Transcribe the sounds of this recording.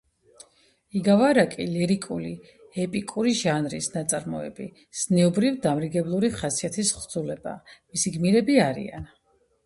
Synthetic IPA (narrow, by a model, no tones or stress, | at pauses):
iɡavaɾakʼilɛɾikʼuli | ɛpʼikʼuɾiʒanɾḭsnat̪sʼaɾmɔɛ̰bi | z̥nɛɔbɾivd̪amɾiɡɛblˠuɾiχasiat̪ʰisχd̪z̥ulɛba̰misiɡmiɾɛbiaɾḭa̰n